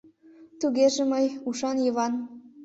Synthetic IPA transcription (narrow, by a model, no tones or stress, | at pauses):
t̪uɣeʒĕməjuʃɑnjɤβɑn